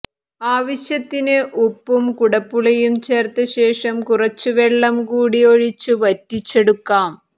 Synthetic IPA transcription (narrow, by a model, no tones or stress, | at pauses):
aːʋɐɕjɐt̪ːinɨʔupːumkuɽɐpːuɭɐjumt͡ɕe̞ːrt̪ːɐɕe̞ːʂɐmkurɐt͡ɕːɨʋeɭːɐmkuːɽioɻit͡ɕːuʋɐtːit͡ɕːe̞ɽukːaːm